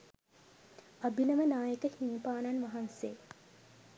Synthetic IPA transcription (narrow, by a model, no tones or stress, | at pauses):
abiləmənaːjəkəhinipaːnanʋɐɦanseː